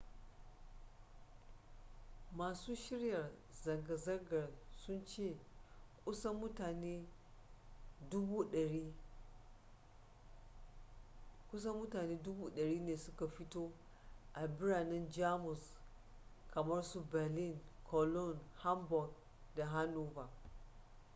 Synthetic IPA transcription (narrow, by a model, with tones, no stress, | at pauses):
maː˨suː˦ʃɪ˦ɽjɐ˨r | zɐ˨ŋɡa˨zɐ˦rɡɐ˨rsʊ˦nt͡ʃeː˦˨kʷʼʊ˦sa˦mʊ˦taː˨neː˦ | dʊ˦buː˦ɗɐ˨ɽiː˦ | kʷʊ˦sa˦mʊ˦taː˨neː˦dʊ˦buː˦ɗɐ˨ɾiː˦neː˨sʊ˦ka˨ɸɪ˦toː˦ | ʔa˨bɪ˦ɽaː˨nɪ˦nd͡ʒaː˦mʊ˨s | kʰɐ˨mɐ˦rsu˦bɛ˨lɪ˦˨ŋkʰɔ˨lɔ˦˨nha˦mbɔ˨ɡ | da˨ɦa˦nuː˦va˨